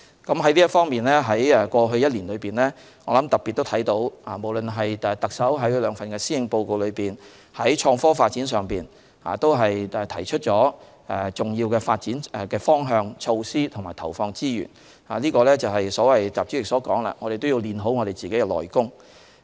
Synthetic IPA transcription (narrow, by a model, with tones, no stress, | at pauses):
kɐ˨˥mɦɐ˨˥jli˥ɐ˥t̚fɔː˥ŋmiː˨˩nlɛː˥ɦɐ˨˥jɛ˧˩kʷɔː˧ɦɵ˧ɥjɐ˥t̚liː˨˩nlɵ˨˧ɥpiː˨nlɛː˥ | ŋɔː˨˧lɐ˨˥mt̪ɐ˨k̚pːi˨t̪̚ːo˥wt̪ʰɐ˨˥jt̪o˨˥waː˨˩mo˨˩wlɵ˨nɦɐ˨jt̪ɐ˨k̚sɐ˨˥wɦɐ˨˥jlœː˨˧ŋfɐ˨nkɛː˧siː˥ɪ˧ŋpo˧wko˧wlɵ˨˧ɥpiː˨˩n | hɐ˨˥jt͡ʃʰɔː˧ŋfɔː˥faː˧t̚t͡siː˨˥nsœː˨ŋpiː˨˩n | a̰ː˨˩t̪o˥wɦɐ˨jɛ˨˧t̪ʰɐ˨˩jt͡ʃʰɵ˥t̚t͡ʃɔː˨˥ | ɛ˨t͡sʊ˨ŋji˧wkɛː˧faː˧t̚t͡siː˨˥nɛ˨kɛː˧fɔː˥ŋɦœː˧ŋt͡ʃʰo˧wsiː˥t̪ʰmaː˨˩jt̪ʰɐ̰˨˩wfɔː˧ŋt͡siː˥jy̰ː˨˩n | aː˨liː˥kɔː˧lɛː˥t͡sɐ˨wɦɐ˨jsɔː˨˥wɐ˨jt͡saː˨p̚t͡si˨˥jɪ˨ksɔː˨˥kɔː˨˥ŋla̰ː˧ŋɔː˧ɾe˨jt̪o˥wji˧wliː˨˧nɦo˨˥wŋɔ˨˧ɾe˨jt͡siː˨ke˨˥jkɛ˧lɔ̰ː˨˩jkʊ˥ŋ